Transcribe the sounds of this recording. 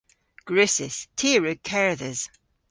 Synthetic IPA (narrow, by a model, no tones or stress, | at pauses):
ɡ̥ɹʉsɪstʰiːɹʉkʰɛɹðəz̥